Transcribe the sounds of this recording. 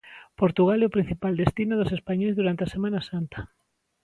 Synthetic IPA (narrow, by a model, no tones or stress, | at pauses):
poɾt̪uɣalɛʊpɾin̟θipald̪est̪inʊðʊsespaɲojzðuɾant̪easemãnasant̪ḁ